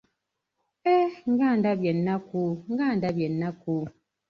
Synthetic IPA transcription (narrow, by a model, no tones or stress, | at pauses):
ɛŋ̩ɡandabjɛnːakuŋ̩ɡandabjɛnːakuː